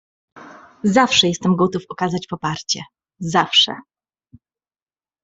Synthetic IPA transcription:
zafʂɛjɛst̪ɛmɡɔt̪ufɔkazat͡ɕpɔpaɾt͡ɕɛ̰ | zafʂɛ̰

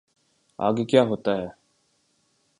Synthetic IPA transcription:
a̰ːɡekjaːɦoːt̪aɦɛː

